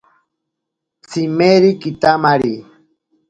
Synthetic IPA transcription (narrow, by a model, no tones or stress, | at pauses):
t͡sʰimeɾikit̪amaɾi